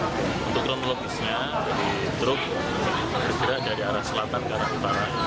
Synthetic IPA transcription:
unt̪ʊkːɾonoloɡisɲa | d͡ʒadi | t̪ɾʊk̚ | bərɡiɾad͡ʒadiaɾahsəlat̪ankəaɾahut̪aɾa

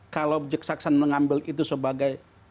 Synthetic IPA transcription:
kalawd͡ʒək̚saksanməŋambɪlit̪usəbaɡaj

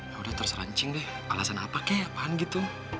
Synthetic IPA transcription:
jaudaht̪ərusɾa̰ɲt͡ʃɪŋdɛh | alasana̰pakɛbaɦanɡit̪u

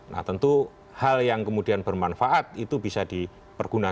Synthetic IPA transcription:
nʔa̰ht̪ənt̪u | haljaŋkəmudianbərmanfaʔat̪̚it̪ubisadi | pərɡ̥una

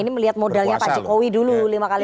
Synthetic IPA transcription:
iniməliɦat̪̚modalɲapad͡ʒikowidululimakali

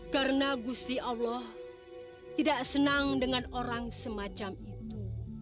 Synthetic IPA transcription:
karnaɡust̪iʔawlɔh | t̪idaʔsənaŋdəŋanoɾaŋsəmat͡ʃamit̪u

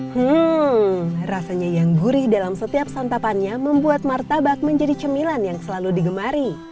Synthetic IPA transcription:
h̩ | rasaɲajaŋbuɾɪhdalamsət̪iap̚sant̪apanɲaməmbuat̪̚mart̪abak̚məɲd͡ʒadit͡ʃəmilanjaŋsəlaludiɡəmaɾi

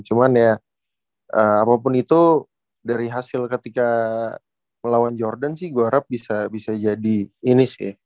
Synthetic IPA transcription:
t͡ʃumanja | ʔəmapap̬ʊnit̪u | daɾiɦasɪlkət̪ika | məlawand͡ʒɔrdansɪhɡuaɾap̚bisabisad͡ʒadiːnis

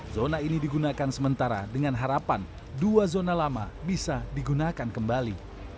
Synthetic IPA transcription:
zonainidiɡunakansəmənt̪aɾa̰dəŋanɦaɾapan | duazonalama̰bisadiɡunakankəmbali

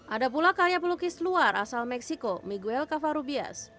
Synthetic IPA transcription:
ʔadap̬ulakaɾijapɔlukɪsluarʔa̰salmɛksikomiɡuɛlkafaɾubia̰s

